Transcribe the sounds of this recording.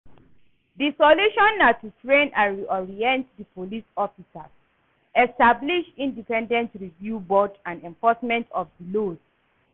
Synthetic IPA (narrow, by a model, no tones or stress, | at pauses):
disɔluʃɔ̃nːatutɹẽnãnɹiɔɹiɛ̃ntdipʰolisɔfisa̰s | ɛstabliʃĩndipɛ̃ndɛ̃ntɹivjubɔdãndɛ̃ɱfɔsmɛ̃ntʰɔfdilod